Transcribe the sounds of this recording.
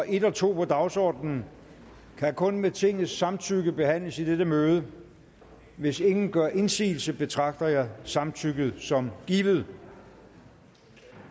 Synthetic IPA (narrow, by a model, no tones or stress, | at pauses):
ɒʔe̝d̥ɒt͡sʰo̝̰ːpʰɒ̽d̥ɑ̈ʊsɒ̰ːd̥nn̩ | kʰækʰɔ̽nmet͡sʰe̝ŋ̰n̩ˠsːɑ̈mt͡sʰyɡ̥əb̥e̝ɦæn̰ləsid̥ed̥əmøːð̞ˠə | ʋe̝se̝ŋn̩ɡ̥ɶɐ̰ʔe̝nsḭːl̩səb̥e̝t͡sʰʁɑ̈ɡ̥̚d̥ɐjɑ̈ɪsɑ̈mt͡sʰyɡ̥ð̞̩ˠsɒ̽mɡ̥iːʋð̩ˠ